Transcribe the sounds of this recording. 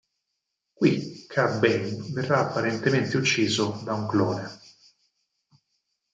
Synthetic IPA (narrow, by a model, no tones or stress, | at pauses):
kwikʰabeŋverːaːpːaɾent̪ement̪eut͡ʃːiːzod̪auŋklɔːne